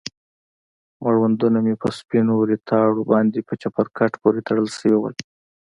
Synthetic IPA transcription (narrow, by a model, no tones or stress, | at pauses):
maɽwand̪unamepəspinoɾit̪ʰɑɽobɑnd̪epət͡ʃapaɾkaʈpoɾet̪aɽəlsəwiwə̰l